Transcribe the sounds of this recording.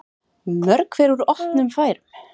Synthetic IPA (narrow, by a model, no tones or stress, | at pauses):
mœɾkvɛɾuɾɔht̪nʏmfaːjɾʏm